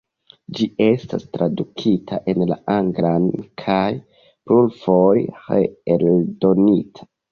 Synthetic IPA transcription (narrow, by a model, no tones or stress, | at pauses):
d͡ʒie̞sta̰stɾadukʰitʰa̰ʔe̞nla̰ʔaŋɡlankʰaj | pɾulfojhḛeldo̞nitʰḁ